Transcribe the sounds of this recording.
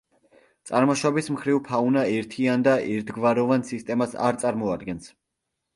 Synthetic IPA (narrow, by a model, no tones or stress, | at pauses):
t̪sʼaɾmɔʃwɔbismχɾivpʰaunaɛɾt̪ʰiand̪aʔɛɾt̪ʰɡvaɾɔvansist̪ʼɛmasa̰ɾt̪sʼaɾmɔad̪ɡɛns